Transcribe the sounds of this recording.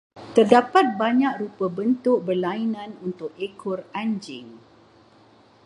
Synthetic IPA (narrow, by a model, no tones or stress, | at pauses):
t̪ərdapat̪̚baɲãk̚rupəbənt̪ʊk̚bərlainãnunt̪ʊk̚ekʰʊraɲd͡ʒɪŋ